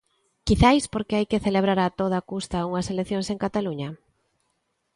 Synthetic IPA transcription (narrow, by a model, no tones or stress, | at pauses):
kiθajspoɾkeajkeθeleβ̞ɾaɾat̪oð̞akust̪auŋɐselekθjõŋseŋkat̪aluɲɐ